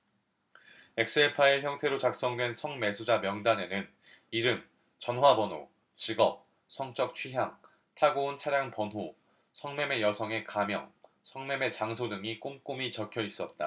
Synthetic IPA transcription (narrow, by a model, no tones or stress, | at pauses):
e̞k̚s͈ɯepʰae̞çjʌŋtʰe̞ɾot͡ɕak̚s͈ʌŋdwe̞nsʰʌŋme̞sʰud͡ʑamjʌŋdane̞nɯn | iɾɯm | t͡ɕʌnɦwabʌno̰ | t͡ɕiɡʌp̚ | sʰʌŋt͡ɕ͈ʌk̚t͡ɕʰɥiɦjaŋ | tʰaɡount͡ɕʰaɾjaŋpʌnɦo | sʰʌŋme̞me̞jʌsʰʌŋe̞kamjʌŋ | sʰʌŋme̞me̞t͡ɕaŋsʰodɯŋik͈omk͈omit͡ɕʌkʰjʌis͈ʌt̚t͈a̰